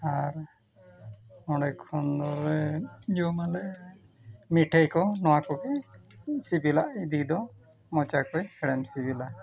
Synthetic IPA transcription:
aɾ | ɔɽɛkʰːɔnd̪ɔɾɛd͡ʒɔmalɛ | miʈʰɛjkɔnɔwakɔkɛ | sibilaʔid̪id̪ɔ | mɔt͡ʃakɔjhɛɽɛmsibila

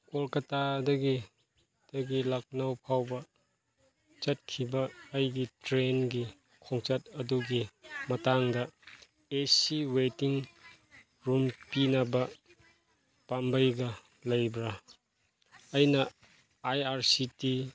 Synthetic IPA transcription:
kolkɐtadɐɡi | d̥ɐɡilak̚nɐwpʰawbɐ | t͡ʃɐt̚kʰibɐːjɡitɾenɡi | kʰoŋt͡ʃɐt̚ɐduɡimɐtaŋdɐ | esiwetiŋ | ɾumpinɐbɐ | pambɐjɡɐ | lɐjbɾa | jnɐ | ajaɾsiti

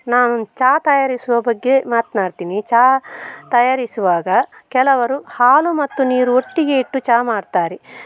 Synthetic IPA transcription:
naːnut͡ʃaːt̪ɐjaːɾisuʋɐbɐɡːe̞maːt̪naːɽt̪iːnit͡ʃaːt̪ɐjaːɾisuʋaːɡɐkɛlɐʋɐɾuhaːlumɐt̪ːuniːɾuoʈːiɡe̞iʈːut͡ʃaːmaːɽt̪aːɾe

